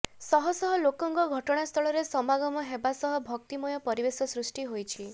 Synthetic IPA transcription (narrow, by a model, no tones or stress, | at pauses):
sɔɦɔsɔɦɔlokɔŋkɔɡʱɔʈɔɽ̃ast̪ʰɔɭɔɾesɔmaɡɔmɔɦebasɔɦɔbʱɔk̚t̪imɔjɔpɔɾibesɔsɾusʈiɦojt͡ʃʰi